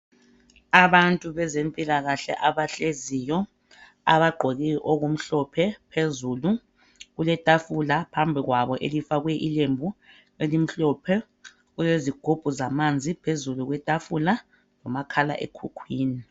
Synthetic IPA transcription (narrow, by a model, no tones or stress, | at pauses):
aβantʼuβɛzempʼilaɣaɬɛ̰ʔaβaɬezijɔ | a̰βaɡ͡ǃʱoɣiʔoɣum̩ɬɔpʰɛpʰezulu | ɣulɛtʼafulapʰambʱiɣwaβɔʔelifaɣuɛʔilembʱu | elim̩ɬɔpʰɛ | ɣuzeziɡ̥ʱub̥ʱuzamand͡zʱipʰezuluɣwɛtʼafula | lɔmakʰala̰ʔḛkʰukʰwiːni